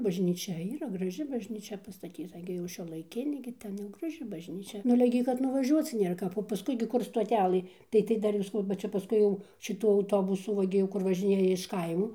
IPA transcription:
bɐʒʲnʲiːˈt͡ʃʲɛ iːˈrɐ ɡrɐˈʒʲɪ bɐʒʲnʲiːˈt͡ʃʲɛ pɐstɐˈtʲiːtɐ ˈɡʲɪ jɛʊ ʃʲuɔlˠɐɪˈkʲɪnʲeː ˈɡʲɪ tʲɛn ˈjɛʊ ɡrɐˈʒʲɪ bɐˈʒʲnʲiːt͡ʃʲɛ nʊ ɐˈlʲɛ ɡʲɪ kɐt nʊʋɐˈʒʲuɔt͡s ˈnʲeːr ˈkɐp oː pɐˈskʊɪ ɡʲɪ ˈkʊr stoːˈtʲælˠɘ ˈtɐɪ tɐɪ ˈdɐr ɪr sɐˈkɐʊ bɐ ˈt͡ʃʲɛ pɐˈskʊɪ jɛʊ ʃʲɪˈtʊ ɐʊˈtoːbʊsʊ ˈʋɐ ɡʲɪ jɛʊ ˈkʊr ʋɐˈʒʲɪnʲeːjɛ ɪʃ ˈkɐɪmoː

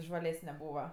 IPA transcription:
ʒʋɐˈlʲæːsʲnʲɛ ˈbuːʋɐ

